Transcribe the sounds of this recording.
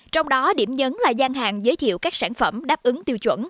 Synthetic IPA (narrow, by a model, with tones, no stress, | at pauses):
t͡ɕɔ˧wŋ͡mɗɔ˨˦ɗi˧˩əmɲə˨˦nlaː˨˩zaː˧ŋɦaː˨˩ŋzəː˨˦jt̪ʰḭ˧˨əwkaː˦˥k̚saː˧˩nfə˧˩mɗaː˦˥p̚ʔɨ˨˦ŋt̪i˧əwt͡ɕwə̰˧˩˨n